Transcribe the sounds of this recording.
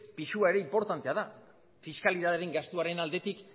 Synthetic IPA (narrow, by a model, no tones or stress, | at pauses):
piʃuae̞ɾe̞impo̞ɾt̪ant̪e̞aða | fiskaliðaðeɾeŋɡast̪uaɾe̞nald̪e̞t̪ik